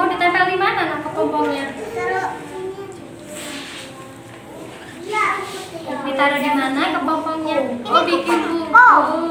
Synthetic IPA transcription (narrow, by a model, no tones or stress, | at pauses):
ubit̪akaldimananakəpɔmpɔŋɲa | bit̪aɾadimanakəpɔmpɔŋɲaobikini